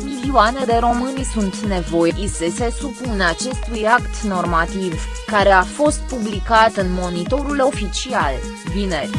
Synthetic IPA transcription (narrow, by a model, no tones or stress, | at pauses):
miliuane̞d̪e̞ɾo̞mɨnʲsunt̪ne̞vo̞jeʔisese̞supuneat͡ʃe̞st̪ujakt̪no̞rmat̪iv | kaɾe̞afo̞st̪̚publikat̪ɨnmo̞nit̪o̞ɾulo̞fit͡ʃial | bine